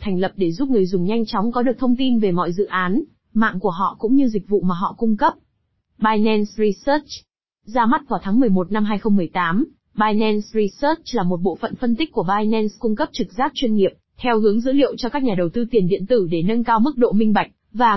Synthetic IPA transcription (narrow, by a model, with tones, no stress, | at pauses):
t̪ʰɛ˨˩ŋ̟lə˨˩p̚ɗe˧˩zu˦˥p̚ŋɨ˨˩əjzʊ˨˩ŋ͡mɲa˧jŋ̟t͡ɕɔ˨˦wŋ͡mkɔ˨˦ɗɨ˨˩ək̚t̪ʰə˧wŋ͡mt̪i˧nve˨˩mɔ̰˧˨jzɨ̰˧˨ʔaː˨˦n | ma̰ː˧˨ŋku˧˩əɦɔ̰˧˨kʊ̰˧˥ŋ͡mɲɨ˧zï˨˩k̟̚vṵ˧˨maː˨˩ɦɔ̰˧˨kʊ˧ŋ͡mkə˦˥p̚ | ɓaː˧jnɛ˧nsɹi˧səː˦˥t͡ɕ | zaː˧ma˦˥t̚vaː˧˩t̪ʰaː˨˦ŋmɨ˨˩əjmo˨˩t̚na˧mɦaː˧jxə˧wŋ͡mmːɨ˨˩əjt̪aː˨˦m | ɓaː˧jnɛ˧nsɹi˧sə˦˥t͡ɕlaː˨˩mo˨˩t̚ɓo̰˧˨fə̰˧˨nfə˧nt̪i˦˥k̟kːu˧˩əɓaː˧jnɛ˧nskʊ˧ŋ͡mkə˦˥p̚t͡ɕɨ˨˩k̚zaː˦˥k̚t͡ɕwi˧ənŋi˨˩əp̚t̪ʰɛ˧whɨ˨˦əŋzɨ̰˧˥lḭ˧˨əwt͡ɕɔ˧kaː˦˥k̚ɲaː˨˩ɗə˨˩wt̪ɨ˧t̪i˨˩ənɗḭ˧˨ənt̪ɨ˧˩ɗe˧˩nə˧nkaː˧wmɨ˦˥k̚ɗo̰˧˨mï˧ŋ̟ɓa˨˩jk̟̚vaː˨˩